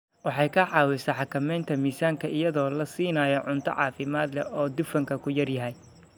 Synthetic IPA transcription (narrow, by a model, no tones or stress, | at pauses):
wɑħɑjkʰɐħɑːwɪsɐħɑkʰɐmɛjnt̪ʰɐmiːsaːŋkʰɐɪjɐðɔːlɐsiːnaːjɔʕʊnt̪ʰɔ̰ʕɑ̰ːfɪmaːd̪lɛ̰ɔːd̪ʊfɐŋkʰɐkʰʊjɐrjɐɦɛj